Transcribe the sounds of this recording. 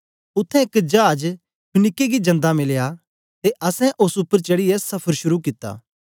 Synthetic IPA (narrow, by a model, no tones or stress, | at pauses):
ʊt̪ʰːɛ̃ɪkd͡ʒaːd͡ʒ | pʰʊnɪkːeɡid͡ʒɐ̃nd̪amɪlja | t̪eʔɐsɛ̃ʔosʊpːəɾt͡ʃɐɽijesɐpʰəɾʃʊɾukɪt̪ːa̰ː